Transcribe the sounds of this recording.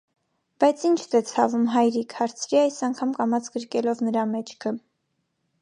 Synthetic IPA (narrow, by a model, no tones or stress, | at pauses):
b̥ɑjt͡sʰint͡ʃʰt̪ɛt͡sʰɑvumɦɑjɾikʰhɑɾt͡sʰɾiɑjsɑŋkʰɑmkɑmɑt͡sʰɡəɾkɛlɔvnəɾɑmɛt͡ʃʰkʰə